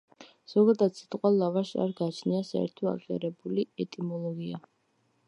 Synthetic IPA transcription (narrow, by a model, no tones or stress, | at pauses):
z̥ɔɡad̪ad̪sʰi̥t̪ʼqʼwalavaʃa̰ɾɡat͡ʃʰniasaɛ̰ɾt̪ʰɔa̰qʼia̰ɾɛbuliɛt̪ʼimɔlˠɔɡia